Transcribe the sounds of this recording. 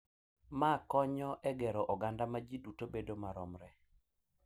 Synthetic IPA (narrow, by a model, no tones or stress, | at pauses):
makɔɲɔʔɛɡɛɾɔʔɔɡandamad͡ʒidutobedomaɾɔmɾɛ